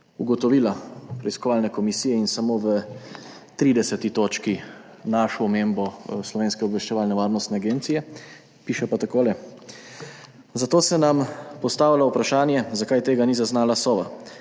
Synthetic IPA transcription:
uɡɔt̪ɔʋiːlapɾɛiskɔʋaːlnɛkɔmisijɛinsamoːʋə | t̪ɾiːd̪ɛsɛt̪it̪oːt͡ʃkinaʃɔːmeːmbɔslɔʋeːnskɛɔbʋɛʃt͡ʃɛʋaːlnɛʋaːɾnɔst̪nɛaɡeːnt̪sijɛ | piːʃɛpat̪akoːlɛ | zat̪oːsɛnampɔst̪aːʋilaupɾaʃaːnjɛzakaːjt̪eːɡanizaznaːlasɔːʋa

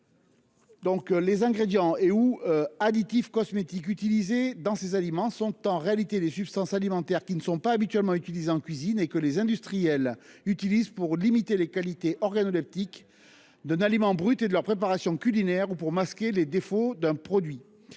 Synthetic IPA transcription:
d̪ɔ̃klezɛ̃ɡʁed̪jɑ̃euøad̪it̪ifkɔsmet̪ik̬yt̪ilized̪ɑ̃sezalimɑ̃sɔ̃t̪ɑ̃ʁealit̪ed̪esypst̪ɑ̃salimɑ̃t̪ɛʁkʲinəsɔ̃paːbit̪ɥɛlmɑ̃yt̪ilizeɑ̃kʲɥizinekəlezɛ̃d̪yst̪χijɛlyt̪ilizpuʁlimit̪elekalit̪eʔɔʁɡanɔlɛp̚t̪ik | d̪ɛ̃nalimɑ̃bʁyt̪ed̪əlœʁpχepaʁasjɔ̃kʲylinɛʁupuʁmaskʲeled̪efod̪ɛ̃pχɔd̪ɥi

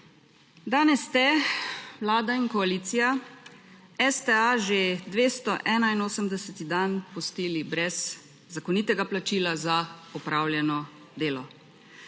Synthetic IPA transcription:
d̪aːnɛsːt̪ɛʋlaːd̪aiŋkɔaliːt̪sija | ɛst̪ɛaʒed̪ʋeːst̪ɔʔɛːnainoːsəmd̪ɛsɛt̪id̪anpɔst̪iːlibɾɛz | zakɔniːt̪ɛɡaplat͡ʃiːlazaɔpɾaːwljɛnɔ | d̪eːlɔ

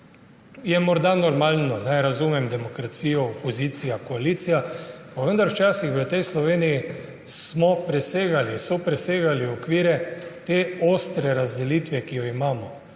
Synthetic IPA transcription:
jɛmɔɾd̪anɔɾmaːlnɔnaɛjɾazuːmɛmd̪ɛmɔkɾat̪siːjɔːpɔziːt̪sijakɔaliːt̪sijapaʋənd̪aɾwt͡ʃaːsixʋət̪ɛjslɔʋeːniji | smɔpɾɛseːɡalisɔpɾɛseːɡaliɔkʋiːɾɛt̪eːoːst̪ɾɛɾazd̪ɛliːt̪ʋɛkijɔimaːmɔ

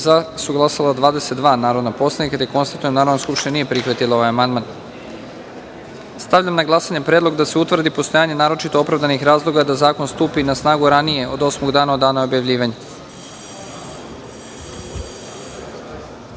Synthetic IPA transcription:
zasuɡlˠasalad̪ʋaːd̪ese̞t̪d̪ʋaːnaːɾo̞d̪napo̞slˠanikat̪ajeko̞nst̪at̪ujemnaːɾanoskupʃt̪iɲʲenije̞pɾixʋat̪ilˠao̞ʋajamand̪man | st̪aʋvʎamnaɡlˠasaɲepɾedlˠo̞ɡd̪aseut̪ʋr̩d̪ipo̞st̪o̞jaːɲe̞naːɾo̞t͡ʃit̪o̞opɾavd̪anixɾaːzlˠo̞ɡad̪azaːko̞nst̪uːpinasnaːɡuɾanije̞ʔod̪o̞smoɡd̪aːnao̞d̪ːaːnao̞bjaʋʎʲiːʋaɲe

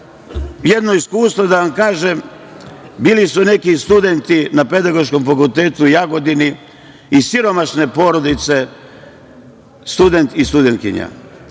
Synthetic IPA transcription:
jed̪no̞iskuːst̪ʋo̞d̪aʋamkaːʒem | biːlisune̞kist̪ud̪e̞nt̪inape̞d̪aɡo̞ʃko̞mfakult̪eːt̪ujaɡo̞d̪ini | isiɾo̞maʃne̞po̞ːɾo̞d̪it̪se̞ | st̪ud̪e̞nt̪ist̪ud̪enkḭɲa̰

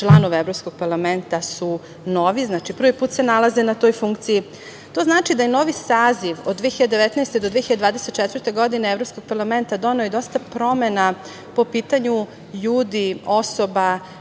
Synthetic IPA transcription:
t͡ʃlˠanoʋeevɾo̞psko̞ɡ̥̚paɾlˠament̪asu | no̞ʋiznaːt͡ʃipr̩ʋipuːt̪se̞nalaze̞nat̪o̞ːjfuŋk̚t̪siji | t̪o̞znaːt͡ʃid̪ajeno̞ʋisaːziʋod̪d̪ːʋijeiʎad̪eʋet̪najst̪ed̪od̪ʋijeçiʎad̪d̪vaːd̪e̞set̪t͡ʃet̪ʋər̩t̪e̞ɡo̞d̪ineevɾo̞psko̞ɡ̚paɾlˠame̞nt̪ad̪o̞neojd̪o̞st̪apɾo̞mena | po̞piːt̪aɲu | ʎuːd̪io̞soba

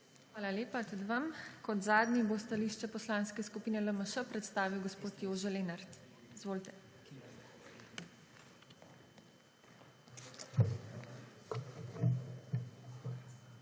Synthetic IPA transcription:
xʋaːlaleːpat̪ud̪ʋamkɔd̪zaːd̪nʲibost̪aliːʃt͡ʃɛpɔslãnskɛskupiːnɛləməʃəpɾɛt̪st̪aːʋiwɡɔspoːt̪joːʒɛleːnaɾt̪izʋoːlt̪ɛ

